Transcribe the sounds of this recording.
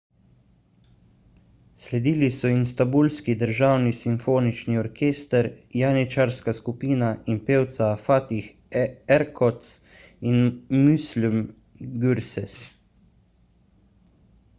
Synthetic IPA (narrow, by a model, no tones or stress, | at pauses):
slɛd̪iːlisɔimst̪abulskid̪əɾʒaːwnisiɱfoːnit͡ʃniɔɾkʰeːst̪əɾjanit͡ʃaɾskaskupiːnainpeːwt̪safaːt̪ix | ɛɾkʰɔt̪s | inmuslum | ɡyɾsɛs